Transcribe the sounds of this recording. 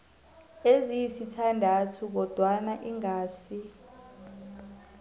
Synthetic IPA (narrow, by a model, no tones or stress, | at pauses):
ezijisitʰandʱatʰuk̬ɔd̥ʱwanaʔiŋaːsi